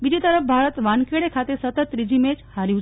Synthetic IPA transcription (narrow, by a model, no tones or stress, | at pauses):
ʋid̪it̪əɾəfbʱaɾət̪ʋankeɽekʰat̪esət̪ət̪ɾid͡ʑimet͡shaɾiu